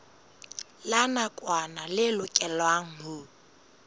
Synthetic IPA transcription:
lanakʼwanalɪlʊkʼɛlwaŋ̩ɦʊ

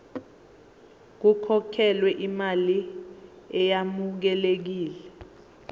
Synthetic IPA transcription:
k̬ukʰɔkʰɛlwɛʔimali | ɛjamuk̬ɛlek̬iːlɛ

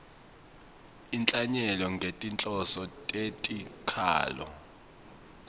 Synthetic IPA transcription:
int͡ɬʼaɲɛlɔŋɡʱetʼint͡ɬʼɔsɔtʼetʼikʰa̰ːlɔ̰

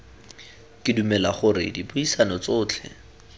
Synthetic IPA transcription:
kʼɪdumɛlaχʊrɪ̰dibʊisanɔt͡sʊːt͡ɬʰɛ̰

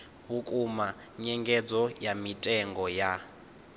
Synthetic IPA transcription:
βukʼuma | ɲɛŋɡɛd͡zɔjamitʼɛŋɡɔja

